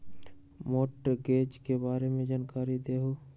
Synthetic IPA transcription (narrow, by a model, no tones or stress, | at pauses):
moːʈɡeːd͡ʒkebaːɾemẽd͡ʒaːnkaːɾid̪eːɦoː